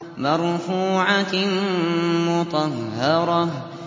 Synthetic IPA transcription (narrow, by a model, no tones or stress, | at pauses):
mɑɾˤfuːʕa | mʊt̪ˤɑhɑɾˤɑ